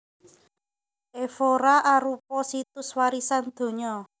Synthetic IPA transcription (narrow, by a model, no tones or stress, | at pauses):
ʔefoɾaʔaɾupɔsit̪ʊswaɾisand̪̥o̤ɲɔ